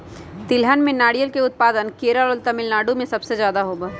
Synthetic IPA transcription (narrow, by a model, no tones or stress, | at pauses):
t̪ɪlɦənmẽnaːɽijəlkeʊt̪̚paːd̪ənkeːɾalɔlt̪əmɪlnaːɖumẽsɐbsed͡ʒjaːd̪aɦoːbaː